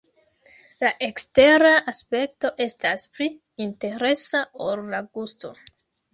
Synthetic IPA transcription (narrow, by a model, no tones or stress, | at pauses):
laʔe̞kste̞ɾaʔaspe̞k̚to̞ʔe̞staspɾi | inte̞ɾe̞saollaɡusto̞̰